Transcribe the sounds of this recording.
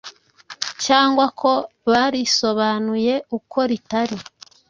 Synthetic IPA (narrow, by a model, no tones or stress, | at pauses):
caːŋɡwakʰo̞ | βaɾiso̞βanuje̞ukʰo̞ɾitaɾi